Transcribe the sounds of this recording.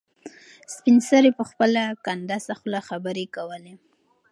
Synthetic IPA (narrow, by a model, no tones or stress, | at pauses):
spɪnsaɾepəxpəlakand̪asaxlaxabəɾekawəle